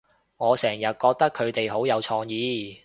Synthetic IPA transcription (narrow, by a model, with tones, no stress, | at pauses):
ŋɔː˨˧sɛː˨˩ŋjɐ˨t̚kɔː˧k̚t̪ɐ˥kʰɵ˨˧ɥt̪e˨jɦo˨˥wjɐ˨˧wt͡ʃʰɔː˧ŋjiː˨˧